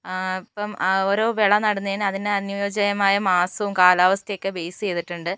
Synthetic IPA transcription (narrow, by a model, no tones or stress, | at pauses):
ipːɐmo̞ːɾo̞ːʋeɭɐnɐɽɐnːɐinɐðineɐnjjo̞ːd͡ʑɐjɐmaːjɐmaːsɐʋumkaːlaːʋɐst̪ɐjokːebejst͡ɕe̞jt̪ːiʈːuɳɖɨ